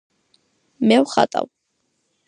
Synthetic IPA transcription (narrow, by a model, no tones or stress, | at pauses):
mewχat̪ʼaw